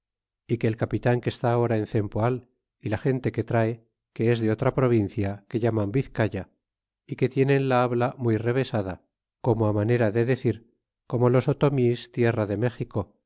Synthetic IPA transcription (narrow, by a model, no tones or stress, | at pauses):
ike̞ːlkapit̪aŋke̞st̪aːo̞ɾaenθe̞mpoal | ilaχe̞nt̪e̞ke̞t̪ɾae̞ | ke̞ezðe̞o̞t̪ɾapɾo̞β̞in̟θjake̞ʎamambiθkaʝa | ike̞t̪je̞ne̞nlaaβlamwujre̞β̞e̞saða | ko̞moamane̞ɾaðe̞ðe̞θiɾ | ko̞mo̞lo̞sot̪o̞mist̪je̞raðe̞me̞xiko̞